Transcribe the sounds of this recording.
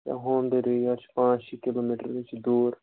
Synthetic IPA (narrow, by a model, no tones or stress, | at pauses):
jã̰ɦoːnd̪eɾeiat͡ʃpãːt͡ʃikɪloːmiʈəɾʋɪt͡ʃd̪uːɾ